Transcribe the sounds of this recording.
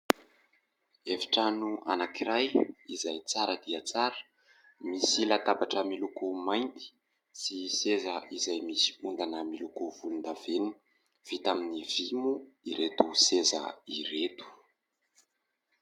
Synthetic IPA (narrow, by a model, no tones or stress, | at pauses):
evi̥ʈ͡ʂanuʔa̰nakiɾajizajt͡saɾəd̪iət͡saɾə̥ | misilat̪abaʈ͡ʂəmilukumajnt̪i̥ | sisezəʔizajmisi̥und̪anəmilukuvulund̪aveni̥ | v̥it̪aminiv̥imuiɾet̪usezə̰iɾet̪u̥